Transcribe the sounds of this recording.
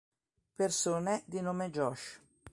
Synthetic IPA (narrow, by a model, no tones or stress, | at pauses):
persuːned̪inoːmed͡ʒɔʃ